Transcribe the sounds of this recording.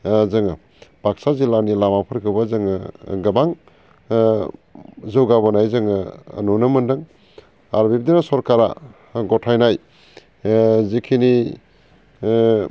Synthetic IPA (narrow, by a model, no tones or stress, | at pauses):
zɯŋa | bʱaksazilanilamapʰɯɾkʰɯwbazɯŋɐɡɐbaŋ | zɐwɡabɐnajzɯŋɯ̰ːnunɯmɐndɯŋ | aɾbib̚d̪inasɔɾkaɾa̰ | ɡɔtʰajnaj | zikʰini